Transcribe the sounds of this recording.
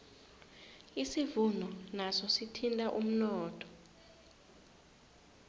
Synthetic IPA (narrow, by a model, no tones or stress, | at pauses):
isivunʱɔnasɔsitʰintʼaʔum̩nɔːtʼɔ̥